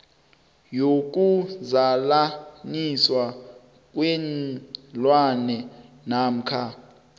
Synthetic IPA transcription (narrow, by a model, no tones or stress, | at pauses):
jok̬ʼuzalaniswa | k̬ʼwɛnlwanɛ | nam̩kʰa